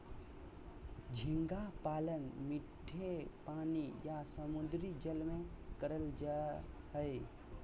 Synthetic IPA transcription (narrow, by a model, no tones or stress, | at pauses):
d͡ʒʱɪ̃ŋɡapaːlənmɪʈʰːepaːnijasəmʊd̪ɾid͡ʒəlmẽ | kəɾəld͡ʒahəe